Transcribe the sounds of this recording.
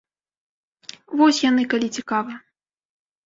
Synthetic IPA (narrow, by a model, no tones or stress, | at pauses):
vɔsʲjan̪ɨkalʲit͡sʲikavɐ